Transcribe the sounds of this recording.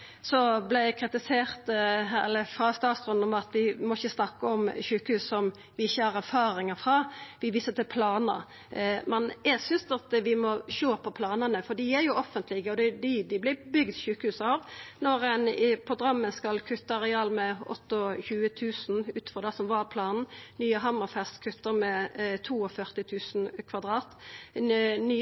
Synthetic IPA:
sɔblɪkʰɾɪt̪ɪseːʁt̪ɛ̰lːəfɾɑst̪ɑːt̪sɾʉnɔmɑt̪ʋɪmɔɪçːəsnɑkːəɔmçʉːkəhʉːssɔm | ʋɪɪçːəhɑʁæɾfɑːɾɪŋəfɾɑʋɪʋiːsət̪ɪpʰlɑːnəɾ | mɛnjæɡsʏnsɑt̪ʋɪmɔʃoːpʰɔpʰlɑːnənəfɔd̪ɪæɾjʊɔfːənt̪ʰlɪɡəɔd̪ɛd̪ɪd̪ɪblɪbʏɡd̪ʃʉːkəhʉːsɑːʋnɔɾɛnpʰɾʊɡ̪ɾɑmːəskɑlkʰʉt̪ːəɑɾɛɑːlmɛɔt̪ːɔçʉːət̪ʰʉːsn̩ʉːt̪fɔʁd̪ɛsɔmʋɑɾpʰlɑːnn̩nyːəɦɑmːəɾfɛst̪kʰʉt̪ːəɾmɛt̪ʰuːɔfœʁt̪ɪt̪ʰʉːsn̩kʰʋɑd̪ɾɑːt̪ | nyː

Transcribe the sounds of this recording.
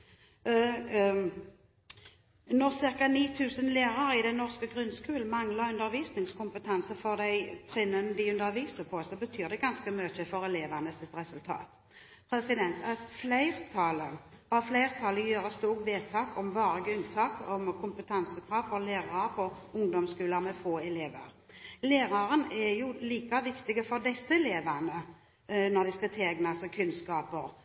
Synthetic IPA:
nɔʁsɪʁkɑniːt̪ʰʉːsənleːʁɑɾɪd̪ɛnɔʁskəɡʁʉnskʉːln̩mɑŋlɑʁʉnd̪əɾʋiːsnɪŋskʊmpət̪ʰɑnsəfɔʁd̪æɪt̪ʰʁɪnːənd̪ɪʉnd̪əɾʋiːsəpʰɔsɔbət̪ʰyːʁd̪ɛɡɑnskəmøːçəfɔʁɛleːʋənəsɪt̪ʁɛsʉlt̪ʰɑ̰ːt̪ | pʰɾɛsɪd̪ɛnt̪ʰætflæɪʁt̪ʰɑːlə | ɑʋflæɪʁt̪ʰɑːləjøːɾəst̪uːʁʋeːt̪ʰɑːkɔmʋɑːɾəɡəʉnt̪ʰɑːkɔmkʰʊmpət̪ʰɑnsəkʰɾɑːʋfɔleːʁɑpʰɔ | ʊŋd̪ɔmskʉːləmɛfoːɛleːʋə̰ɾ | leːɾɑɾənɛɾjʊliːkɑʋɪkt̪ɪɡəfɔɾd̪ɛsːəɛleːʋɑnə | nɔʁd̪ɪst̪ɑt̪ʰeːɡnɑsɔkʰʉnskɑːpəɾ

